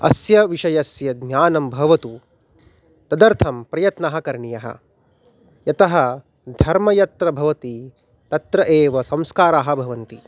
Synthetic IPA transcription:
ɐ̰sjɐʋiʃɐjɐsjɐd̪njaːnɐmbʱɐʋɐt̪u | t̪ɐd̪ɐɾt̪ʰɐmpɾɐjɐt̪naɦɐkɐɾɳijɐɦɐ̰ | jɐt̪ɐɦɐ | d̪ʱɐɾmɐjɐt̪ɾɐbʱɐʋɐt̪i | t̪ɐt̪ɾɐʔeːʋɐsɐ̃mskaːɾaːɦɐbʱɐʋɐnt̪i

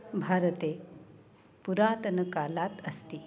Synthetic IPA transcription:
bʱaɾət̪e | puɾat̪ənəkalat̪əst̪iː

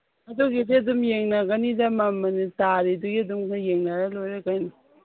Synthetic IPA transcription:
ɐdoɡidiɐdumjeŋnaɡɐnidamamːanitaɾiduɡiɐdumkajeŋnaɾalojɾekajnu

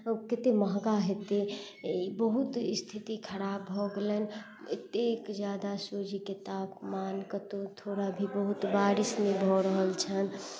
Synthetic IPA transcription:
əket̪eməɦɡaɦet̪e | bəɦut̪st̪ʰit̪ikʰəɾabʱɔɡelən | ət̪ekd͡ʒjad̪asod͡ʒʱikit̪apmankət̪ot̪ʰoɾabʱibəɦut̪baɾismebʱɔɾəɦəlt͡ʃʰən

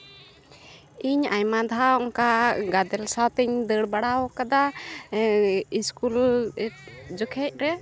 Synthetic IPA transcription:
iɲajmad̪ʱaɔŋkaɡad̪ɛlsawt̪ɛɲd̪əɽbaɽaɔkad̪a | iskul | d͡ʒɔkʰɛc̚ˀɾɛ

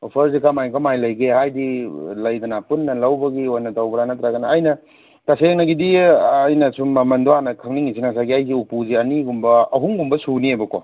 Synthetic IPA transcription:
opʰɐɾzikʰamajkamajlɐjɡehajdilɐjdɐnapunːɐlɐwbɐɡiojnɐtawbɐɾanɐt̪ɾaɡanɐːjnɐ | taseŋnɐɡidiɐjnɐsumːɐmɐndoanɐkʰɐŋniŋisinasaɡiajziupuziɐniɡumbɐɐɦuŋɡumbɐsuniebɐko

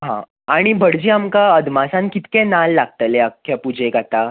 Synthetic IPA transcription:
ɦã̰ | aɽ̃ibʱəɽd͡ʑiːamkaəd̪masãnkit̪kẽnalːaɡ̚t̪əleakʰːjapud͡ʑekat̪a

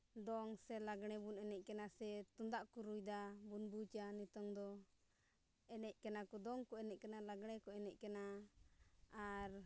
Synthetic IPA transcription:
d̪ɔŋsɛlaɡɽ̃ɛbunɛnɛʔ̚ˀkɛnasɛt̪und̪aʔkuɾujd̪abunbut͡ʃanit̪ɔŋd̪ɔ | ɛnɛʔ̚kɛnakɔd̪ɔŋkɔɛnɛʔ̚kanalaɡɽ̃ɛkɔɛnɛʔkɛna | ɾ

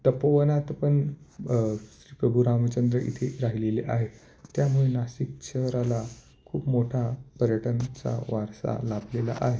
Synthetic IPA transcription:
t̪əpəʋənat̪pəɳ | ɕɾiːpɾəbʱuɾamət͡ɕənd̪ɾəʔḭt̪ʰeɾaɦileleʔaɦe | t̪jamuɭenasik̚t͡ɕʰəɾala | kʰuːpmoʈʰapəɾjəʈʰənt͡sa̰ʋaɾsa̰lablela̰ʔaɦe

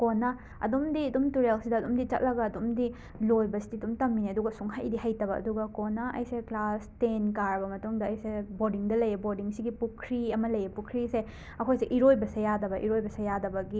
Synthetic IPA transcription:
konːɐ | ɐ̰dumdiɐdumtuɾelsidɐːdumdit͡ʃɐ̰t̚lɐɡɐːdumdi | lojbɐsi̥diɐdumtɐmːineɐduɡɐsuŋɦajdiɦajtɐbɐʔɐ̰duɡɐkonːɐʔɐ̰jseklastenkaɾɐbɐmɐtuŋdɐːjseboɾdiŋdɐlɐjebodiŋsiɡipukʰɾiɐmɐlɐjepukʰɾise | ɐkʰojseʔiɾojbɐsejadɐbɐʔiɾojbɐsejadɐbɐɡi

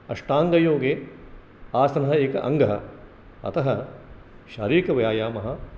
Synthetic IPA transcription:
ɐʂʈaːŋɡɐjoːɡeː | aːsɐnɐɦɐeːkɐ̰ʔɐ̰ŋɡɐɦɐ | ɐ̰t̪ɐɦɐ | ʃa̰ːɾiːɾkɐʋɐjaːjaːmɐɦɐ̆

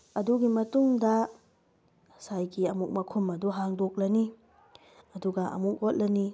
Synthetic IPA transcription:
ɐduɡimɐtuŋdɐ | sajɡiɐmuk̚mɐkʰumɐduɦaŋdok̚lɐni | ɐduɡɐʔɐ̰muk̚hot̚lɐni

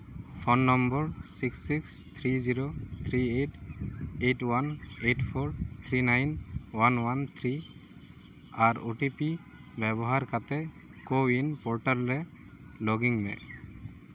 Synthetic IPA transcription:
pʰɔnːɔmbɔɹsiksːikst̪ʰɾiziɾot̪ʰɾieʈeʈwaneʈpʰɔɹt̪ʰɾinajnwanwant̪ʰɾi | aɾoʈipi | bɛbɔɦaɾkat̪ɛ | koinpɔɹʈalːɛ | lɔɡiŋmɛ̰l

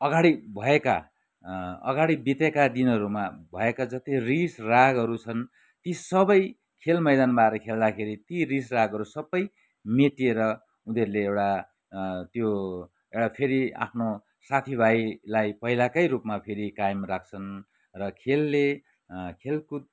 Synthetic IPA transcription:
ʌɡaɽibʱʌeka | ʌ̰ɡaɽibit̪ekad̪inʌɾumabʱʌekad͡zʌt̪irisraɡʌɾut͡sʰʌn | t̪isʌbʌj | kʰelmʌjd̪anbaeɾʌkʰeld̪akʰeɾit̪irisraɡʌɾusʌbʌj | meʈieɾʌ | uneɾuleewɽa | t̪jo | ewɽapʰeɾia̰pʰno | sat̪ʰibʱajlajpʌɦilakʌjɾupmapʰeɾikajemrak̚ʰt͡sʰʌn | rʌkʰelːe | kʰelku

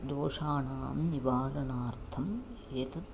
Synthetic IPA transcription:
d̪oːʂaːɳaːmniʋaːɾɐnaːɾt̪ʰɐm | et̪ʰɐt̪

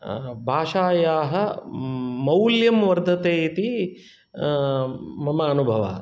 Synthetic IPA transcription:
bʱaːʂaːjaːɦɐ̆ | mɐwljɐmʋɐɾd̪ʱɐt̪eːt̪i | mɐmɐːnubʱɐʋa̰ː

